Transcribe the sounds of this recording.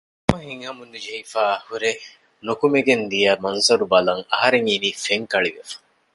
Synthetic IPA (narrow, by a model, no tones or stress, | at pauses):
ɐmɐɦiŋɦɐmunːud͡ʒeifaːɐhuɾe | nokumeɡend̪ijɐːmɐnzɐɾubɐlɐŋɐɦɐɾeŋiniːfeŋkɐɭiʋefɐ̥